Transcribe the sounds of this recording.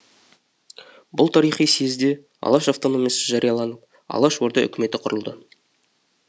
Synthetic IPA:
bʊlˠt̪ʰɑɾijχijsezd̪e̞ | ɑ̰lˠɑʃaft̪o̞no̞mʲijɑsəʒɑɾijɑlˠɑnəp | ɑ̰lˠɑʃwo̞ɾd̪ɑʔʏ̰kʲɪme̞t̪ɪqʰʊɾəlˠd̪ə

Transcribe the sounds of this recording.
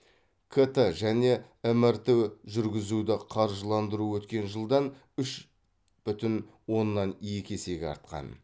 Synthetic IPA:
kʰet̪əʒæne̞ | ɪmɪɾt̪ewʒʏɾɡʲɪzud̪ɪqʰɑɾʒəlˠɑnd̪əɾuwɵt̪kʲe̞nʒəlˠd̪ɑn | ʏʃ | b̥ʏt̪ɪnwo̞nːɑnjekʲe̞se̞ɡʲɑ̰ɾt̪̚qɑ̰n

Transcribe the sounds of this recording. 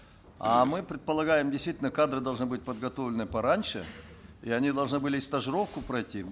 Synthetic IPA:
amɨpɾʲɪt̪̚pəlˠɐɡajɪmdʲɪst̪vitʲɪlʲnəkad̪ɾɨd̪ɐlˠʐnɨbɨt̚ʲpəd̪ɡɐt̪o̞vlʲɪnɨpɐɾanʲʂɨiɐnʲid̪ɐlˠʐnɨbɨlʲɪɪst̪əʐɨɾo̞fkʊpɾɐjtʲi

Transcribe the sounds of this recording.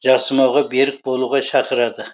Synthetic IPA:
ʒɑsəmɑwʁɑbe̞ɾɪk̚bolˠuʁɑʃʰɑqəɾɑd̪ɪ

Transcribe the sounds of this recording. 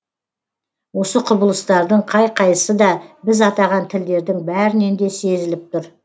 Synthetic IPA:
wo̞səqʰʊbəlˠəst̪ɑɾd̪əɴqʰɑjqʰɑjəsəd̪ɑbɪzɑt̪ɑʁɑnt̪ʰɪld̪e̞ɾd̪ɪŋbæɾɪne̞nd̪e̞se̞zɪlɪp̚t̪ʊɾ

